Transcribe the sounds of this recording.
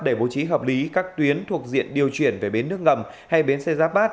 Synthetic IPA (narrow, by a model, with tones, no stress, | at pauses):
ɗe˧˩ɓo̰˧˩t͡ɕi˨˦ɦəː˨˩p̚li˨˦kaː˦˥k̚t̪wi˨˦ənt̪ʰu˨˩ək̚zḭ˧˨ənɗi˨˩əwt͡ɕwi˧˩ənve˨˩ɓe˨˦nːɨ˦˥ək̚ŋə˨˩m | ha˧jɓe˨˦nsɛ˧jzaː˦˥p̚ɓaː˦˥t̚